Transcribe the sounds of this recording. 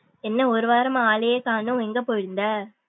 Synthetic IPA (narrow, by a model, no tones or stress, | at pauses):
ɛnːɐɔɾɯʋaːɾɐmaaːɭɐjeːkaːnɯ̃ɛŋɡɐpoːjɪɾɯnd̪ɐ